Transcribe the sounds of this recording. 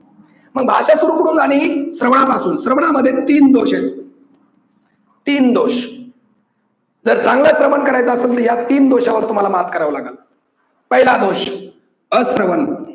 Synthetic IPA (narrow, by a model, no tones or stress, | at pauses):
məɡ̚bʱa̰ɕasuɾuːkəɽuːnd͡zañiisɾəʋɳapasuːnsɾəʋɳaməd̪ʱːjet̪iːnd̪oɕet | t̪iːnd̪oɕ | d͡zəɾt͡sãŋɡlasɾəʋənkəɾajt͡səəselt̪əɾjat̪iːnd̪oɕaʋəɾt̪um̤alamat̪̚ʰkəɾaʋlaɡat̪ | pəɦilad̪oɕ | əsɾəʋən